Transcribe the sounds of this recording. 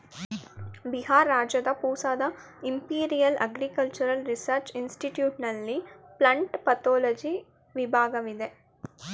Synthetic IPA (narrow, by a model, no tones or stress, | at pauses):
biɦaːɾːaːd͡ʒɐd̪ɐpuːsaːd̪ɐ | impiːɾijɐlɐɡɾikɐlt͡ʃuɾɐlɾisɐɾt͡ʃinsʈiʈjuːʈnɐlːiplɐɳʈpɐt̪oːlɐd͡ʒi | ʋibʱaːɡɐʋid̪e